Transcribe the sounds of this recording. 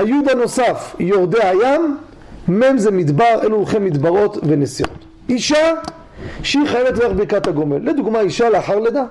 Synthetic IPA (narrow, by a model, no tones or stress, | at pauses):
hajud̪ano̞safjo̞ʁd̪eajamː | emzemid̪baʁḛluχemːid̪baʁo̞t̪venesio̰t̪ | iʃa | ʃeiχajevet̪loeχbiʁkat̪aɡo̞me̞lːed̪uɡmaiʃaleaχaʁled̪a